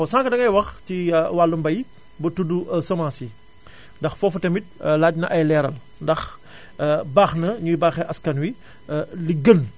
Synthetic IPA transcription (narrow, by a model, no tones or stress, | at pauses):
ɔsãːŋkɐdɐŋɐjwɐxtiwalːumbɐj | bɐtudusɔmaːsi | ndɐxfɔfutɐmit̚laːdnɐʔɐjlɛːɾɐl | ndɐx | baːxnɐɲujbaːxɛʔɐskɐnwi | liɡən